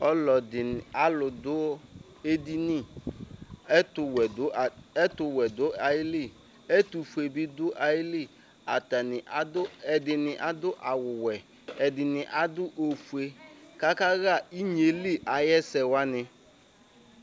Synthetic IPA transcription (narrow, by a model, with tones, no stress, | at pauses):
ɔ˦lɔ˨dɪ˨a˨lʊ˨dʊ˦ | e˦di˦ni˦˨ | ɛ˦tʊ˨wɛ˨ʊ˦˨ɛ˦tʊ˨wɛ˨dʊ˦a˨jɪ˦li˦˨ | ɛ˦tu˨fu˨e˨bɪ˦dʊ˦ʔa˨˦jɪ˦li˦ | a˨ta˨nɪ˨ʔa˦dʊ˦ɛ˨dɪ˨nɪ˨ʔa˦dʊ˦ʔa˨wʊ˨wɛ˨ | ɛ˨dɪ˨nɪ˨ʔa˨dʊ˦ʔo˨fu˨e˨ka˦ka˦ɣa˦˨i˦ɲ˨e˨li˦ʔa˨jɛ˦sɛ˨wa˦nɪ˨